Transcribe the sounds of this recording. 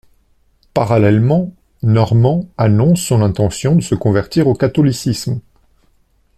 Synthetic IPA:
paʁalɛlmɑ̃ | nɔʁmɑ̃anɔ̃sːɔ̃nɛ̃t̪ɑ̃sjɔ̃d̪əsəkɔ̃vɛʁt̪iʁokat̪ɔlisism

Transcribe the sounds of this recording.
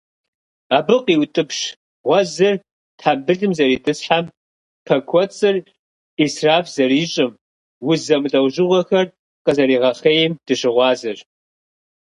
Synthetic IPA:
aːbɨqʼiwtʼɨpʂ | ʁʷɔzɨr | tħabɨɮɨmzɐɾiːtʼɨsħam | pʰɐkʷʰɔt͡sʼɨr | israːfz̥ɐriːɕʼɪm | wʊzɐmɮʼɐwʒɨʁʷɔxɐr | qəzɐɾiːʁɐχeːjɪmd̥ɨɕɪʁʷɑːzɨr

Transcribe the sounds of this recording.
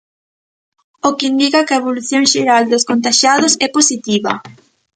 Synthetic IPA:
okɪind̪ikɐkɐeβoluθjoŋʃeɾald̪oskont̪aʃaðʊsɛposit̪iβɐ̰

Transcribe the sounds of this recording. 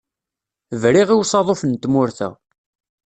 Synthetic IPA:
vɾiʁiwsˤɑðˤofənt̪ːmʊɾθæ̰

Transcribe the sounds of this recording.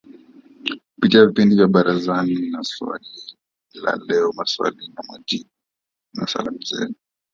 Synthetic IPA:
kupitiavipindivjaɓaɾazaninaswa̰li | la̰lɛɔmaswa̰linamwad͡ʒiɓu | na̰sa̰lamuzɛ̰nu

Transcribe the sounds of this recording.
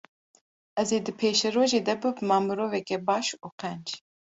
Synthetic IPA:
ɛzeːd̪ɨpʰeːʃɛɾoːʒeːd̪ɛbɨbmɑːmɨɾoːvɛkɛbɑːʃuːqɛnd͡ʒ

